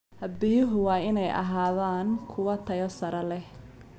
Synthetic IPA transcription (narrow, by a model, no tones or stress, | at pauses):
hɐd̪bɪjʊɦʊwɑːɪnɛjʔɐ̰ɦaːðaːnkʰʊwɐt̪ʰɐjɔsɐɾɐlɛh